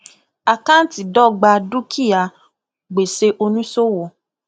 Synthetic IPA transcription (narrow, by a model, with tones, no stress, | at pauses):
a˨kã˦n̩˦ti˨dɔ˦˨ɡ͡ba˧du˦kʰi˦˨ja˨ | ɡ͡be˨se˧ʔo˧nũ˦so˦wo˨